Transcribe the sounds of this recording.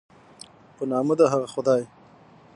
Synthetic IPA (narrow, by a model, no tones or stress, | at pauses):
pənɑːməd̪aɦaɣaxʊd̪ɑːj